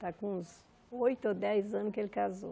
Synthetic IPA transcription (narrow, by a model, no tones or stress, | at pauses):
t̪akõz | ojt̪ʊod̪ɛjzɐ̃nʊkɪelɪkazo̰